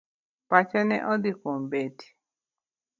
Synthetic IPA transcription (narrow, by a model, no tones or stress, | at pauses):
pat͡ʃɛnɛ̰ʔɔd̪ikombeti̥